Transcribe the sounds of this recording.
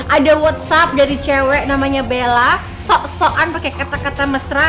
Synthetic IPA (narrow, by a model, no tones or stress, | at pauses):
ʔadawɔt̪̚sap̚daɾit͡ʃɛwɛʔnamaɲabela | sɔʔsɔʔanpakɛkat̪akat̪aməsɾa